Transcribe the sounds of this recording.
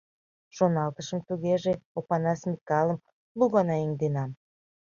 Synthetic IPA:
ʃonɑlt̪əʃə̆mt̪uɣeʒeopɑnɑsmʲikɑlə̆m | luɣɑnɑiŋd̪enɑm

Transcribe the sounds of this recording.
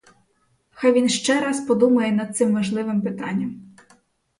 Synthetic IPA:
xɑjʋʲinʃt͡ʃɛɾɑspɔd̪umɐjɛnɐd̪̚t̪sɪmːɔʒlˠɪʋɪmpɪt̪ɑnʲːɐm

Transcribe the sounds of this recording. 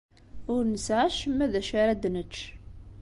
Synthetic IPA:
ʊɾnəsʕaʃəmːæðæʃaɾad̪nət͡ʃː

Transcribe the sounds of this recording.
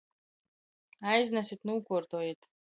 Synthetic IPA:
ajznasit̪ʰnuwkʷʰɔrt̪ʰojet̪ʰʼ

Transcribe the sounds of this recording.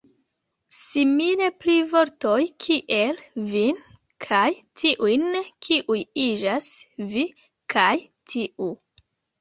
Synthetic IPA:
simile̞plivo̞ɾto̞jkʰiʔe̞lvin | kʰajtʰiʔujnkʰiʔujid͡ʒasvi | kʰaj | tʰiʔu

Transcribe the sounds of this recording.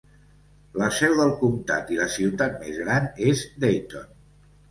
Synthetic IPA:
ləsɛwðəlˠkumt̪a̰t̪iləsiwt̪at̪̚mezɣɾanezd̪ejt̪on

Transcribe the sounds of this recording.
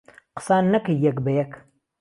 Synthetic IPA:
qə̥saːnːɐkjɐkbɐjɐkʰ

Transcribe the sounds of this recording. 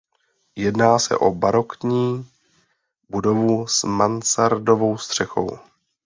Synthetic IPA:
jɛdnaːsɛ̰ʔo̞baɾo̞kɲiː | budo̞vusmansaɾdo̞vo̞wst̪r̝̥ɛxo̞̰w

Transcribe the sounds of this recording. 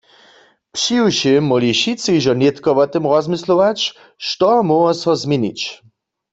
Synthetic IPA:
pʂiwʃemɔliʃit͡sɨjʒɔnet̪kɔʋɔt̪ɨmʁɔzmɪsloʋat͡ɕ | ʃt̪ɔmɔwɔsɔzmʲjenḭt͡ɕ

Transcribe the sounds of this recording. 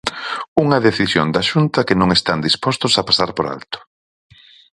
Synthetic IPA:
uŋɐðeθisjo̰nd̪ɐʃunt̪ɐkɪnõŋest̪and̪ispɔst̪ʊsɐpasaɾpoɾa̰lt̪ʊ̥

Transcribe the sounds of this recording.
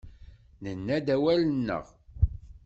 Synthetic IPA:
nənːæd̪æwælənːə̰ʁ

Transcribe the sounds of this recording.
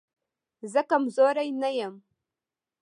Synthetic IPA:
zakamzoɾainajam

